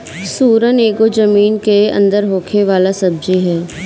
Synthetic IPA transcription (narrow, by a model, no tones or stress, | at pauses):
suːɾəneːɡod͡ʒəmiːnkeɐ̰̃nd̪əɾɦoːkʰeʋaːlasɐb̚d͡ʒiɦɛː